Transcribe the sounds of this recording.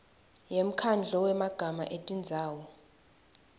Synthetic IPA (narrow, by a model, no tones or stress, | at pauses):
jem̩kʰand͡ɮʱɔwɛmaɡ̥ʱama̰ʔetʼind͡zʱaːwɔ